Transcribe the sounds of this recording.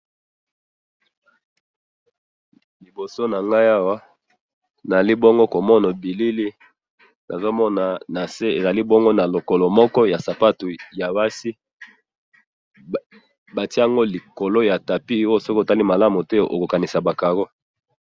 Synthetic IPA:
li˨bo˨so˦na˨ŋɡa˦ja˦wa˦ | na˨za˨li˦bo˦ŋɡo˦ko˨mɔ˦na˨bi˨li˦li˦ | na˨zo˦mɔ˦na˨na˨se˦e˨za˨li˦bo˦ŋɡo˦na˨lo˨ko˨lo˨mɔ˦kɔ˦ja˨sa˨pa˦tu˨ja˨wa˦si˦ | ba˨ti˦a˦˨ŋɡo˦li˨ko˨lo˦ja˨ta˨pi˦o˦jo˦˨sɔ˦kta˦li˦ma˨la˦mu˨te˦˨ʔo̰˨ko˨ka˨ni˨sa˨ba˨ka˨ɣo˦

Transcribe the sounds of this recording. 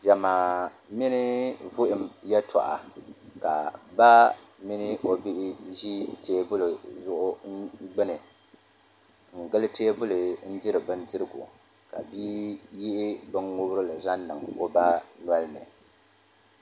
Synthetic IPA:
d͡ʒa˨ma˨ | mi˦nɨ˦vʊ˦ʔɪ˨mjɛ˦tʰɔ̰˨ʔa̰˨ka̰˨ba˦mɪ˦nɨ˦ʔo˦bi˦ʔɪ˦ʒi˦teː˦bʊ˦lʊ˨zʊ˦ʔʊ˦ŋ̩˦ɡ͡bɨ˦nɨ˨ | ŋ̩˨ɡɨ˦lɨ˦teː˦bʊ˦lɨ˨n̩˦d͡ʒɪ˦ɾɨ˨bɨ˦nd͡ʒɪ˦ɾɨ˦ɡʊ̰˨ | ka̰˨biː˦ji˦ʔɪ˦bɨ˦ŋŋʊ˦bɾɨ˦lɨ˨za˦nː˦ɨ˨ŋo˦ba˦n˨a˦lɨ˦mɛ̰˨

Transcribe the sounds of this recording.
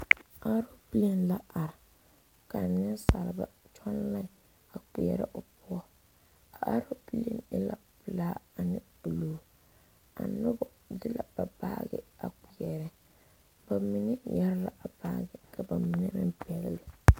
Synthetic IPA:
a˦ɾo˦bi˦le˦nla˦ʔa˨ɾɪ˨ | ka˨nː˦ɪ˦nsa˨lɪ˨ba̰˨t͡ʃʰɔ˦n˦la˦˨ | a˨k͡pi˨jɛ̰˨ɾɪ˦ʔo˨pʊ˦ɔ˦ | a˨ʔa˦ɾo˦bi˦lḛ˦˨nɛ̰˦la̰˨pʊ˨laː˦a˨nɪ˦ | ʊ˨loː˨˦˨ | a̰˨nʊ˦bɔ˨ | dɪ˦la̰˨b̥a˨ba̰ː˦ɡɪ̰˦a˨k͡pi˨ɛ˨ɾɛ˦ | ba˨mɪ˦nɪ˦jɛ˦ɾla̰˨ʔa˨baː˦ɡɪ˨kʰa˨ba˨mɪ˨nɛ˦mɪ̰˦mpi˨ɛ˨lɪ˦lɪ˨

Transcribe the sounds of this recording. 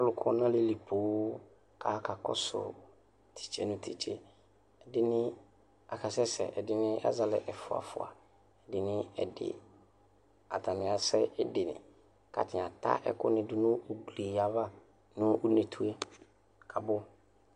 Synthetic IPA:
a˦lʊ˨kʰʊ˦nã˦le˦li˨pʰo˨˦ | kʰa˨kʰa˨kɔ̰˦sʊ̰˨ | tʰi̥˨t͡ʃʰe˦nʊ̃˦tʰi˨t͡ʃʰe˦ | ɛ˨dɪ˦nɪ̃˦ | a˨kʰa˨sɛ˦sɛ̰˨ʔɛ˨dɪ˦nɪ̃˦ʔa̰˦za˨lɛ̰˨ʔɛ˨fʊ˨a̰˨fʊ̰˨a̰˨ | ɛ˨dɪ˨nɪ̃˦ɛ˨dɪ̰˨ | a̰˨ta˨nɪ̃˨a˨sɛ˦ɛ˦dɪ˨nɪ̰̃˨ | ka̰˨tʰɪ˨a˨t̪a̰˦ʔɛ̰˦kʊ̰˦nɪ̃˨dʊ˦nʊ̃˦o˦ɡli˨a˨va˦ | nʊ̃˦ʊ˦ne˨tʰu˦e˦ | kʰa˨bʊ˦

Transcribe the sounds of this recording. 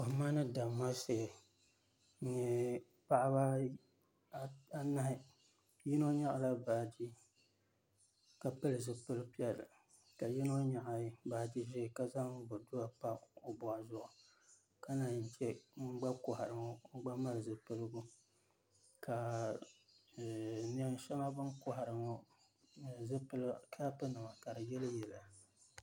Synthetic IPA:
ʊ˨hmaː˦nɨ˦da˨mːa˦se˨ɛ˨ | ɲɛ˨ | pa˦ʔa˦ba˦ | a˦na˦hɪ˨ | ji˦no˦ɲa˦ʔa˨la˦baː˨di˦ | ka˨pɨ˦lɨ˨zɨ˨pɨ˦lɨ˦pi˦ɛ˨lɨ̰˨ | ka˨ji˦no˦ɲa˨ʔa˨˦ba˨di˦ʒɪ˦˨ka˨za˦bo˨du˦a˨pa˦o˨bʊ˨ʔa˨zʊ˦ʔʊ˨ | ka˦na˨ɲ˨n̩˨t͡ʃɛ˦ŋ͡m̩˦ɡ͡ba˦kʊ˨ha˨ɾɨ˨ŋɔ˦ɡ͡ba˦ma˦lɨ˨zɨ˨pɨ˦lɨ˦ɡu˦ | ka˨ | ni˨ɛ˨n˦ʃɛ˦ma˦bɨ˦nkʊ˨ɦa˨ɾɨ˨ŋɔ˦ | zɨ˦pɨ˦lkʰa˦pɨ˦nɨ˨ma˨ka˨ɾɨ˨jɛ˦lɨ˦jɛ˨la˨

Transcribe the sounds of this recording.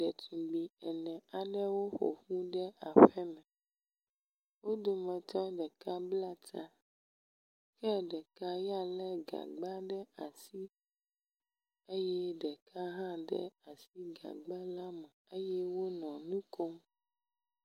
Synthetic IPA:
ɖɛ˨t̪ũ˨ɡ͡bi˨ɛ˨nɛ̃˨a˨ɖɛ˦wo˦xo̰˨ɸu˦ɖɛ˦a˨ɸɛ˦mɛ̃˨ | wo˦d̪o˨mɛ̃˨t̪ɔ˦ɖɛ˨ka˦bla˦t̪a˦ | kɛ˦ɖɛ˨ka˦ja˦lɛ˦ɡa̰˨ɡ͡ba˦ɖɛ˦a˨si˦ | e˦jɛ˦ɖɛ˨ka˦ɦã˦ɖɛ̰˦a˨si˦ɡa̰˨ɡ͡ba˦la˦mɛ˨e˦jɛ˦wo˦nɔ̃˨nũ˦ko˦m

